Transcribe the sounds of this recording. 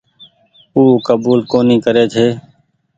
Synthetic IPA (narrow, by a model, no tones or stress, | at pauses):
uːkəbuːlkoːnĩːkəɾeːt͡ʃʰeː